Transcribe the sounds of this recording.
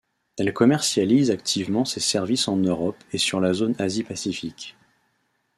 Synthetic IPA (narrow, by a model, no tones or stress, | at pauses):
ɛlkɔmɛʁsjalizakt̪ʰivmɑ̃sesɛʁvisɑ̃nøʁɔpesyʁlazonazipasifikʲ